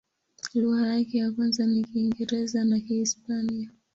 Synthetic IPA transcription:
luɣajakɛjakwanzanikiːŋɡɛɾɛzanakiːspania

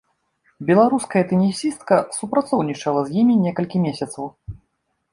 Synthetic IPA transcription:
bʲɛlˠaɾuskɐjɐt̪ɨnʲisʲist̪̚kɐsupɾat̪sɔwnʲit͡ʂɐlˠɐzʲjimʲinʲɛkɐlʲkʲimʲesʲɐt̪sɐw

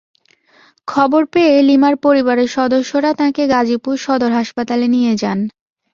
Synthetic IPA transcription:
kʰɔboɾpeelimaɾpoɾibaɾeɾʃɔd̪oʃːoɾat̪ãkeɡad͡ʑipuɾʃɔd̪oɾɦaʃpat̪alenijed͡ʑan

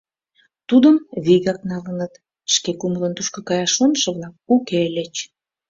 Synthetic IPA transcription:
t̪ud̪əmβiɣɑk̚nɑlənət̪ | ʃkekumələnt̪uʃkokɑjɑʃonʃə̆βlɑk̚ukelet͡ɕ

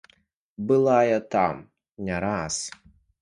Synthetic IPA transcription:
bɨlˠajɐt̪am | nʲɛɾas

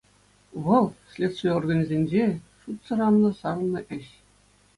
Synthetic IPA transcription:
ʋɤ̆lˠsʲlʲet̪sʲt̪ʲeorɡɑnʲizʲenʲd͡ʑeʂut̪sɤ̆ɾɑmnɤ̆sɑr̆nːɤ̆ʔɘ̆ɕ

